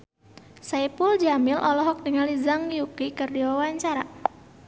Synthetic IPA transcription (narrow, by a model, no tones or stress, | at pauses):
saipʊld͡ʒamilʔɔlɔɦɔk̚dəŋalizaŋjukikərdiwawaɲt͡ʃaɾa